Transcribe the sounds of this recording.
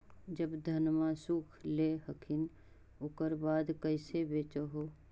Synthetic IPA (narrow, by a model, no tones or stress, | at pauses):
d͡ʒəbd̪ʱənmasuːkʰleɦəkʰɪn | ʊkəɾbaːd̪kəɪsebeːt͡ʃɦoː